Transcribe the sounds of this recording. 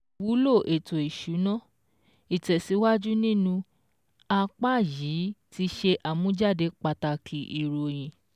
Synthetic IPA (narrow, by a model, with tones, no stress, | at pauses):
wu˨˦lo˦˨ʔe˨to˨i˨ʃu˨˦nã˦˨ | i˨tɛ˨si˨˦wa˦d͡ʒu˦nĩ˦nũ˧ | a˧k͡pa˦˨jiː˨˦ti˧ʃe˧ʔa˨mũ˨˦d͡ʒa˦˨de˧˦k͡pa˧ta˧kʰi˨˦ʔi˨ɾo˨j̃ĩ˨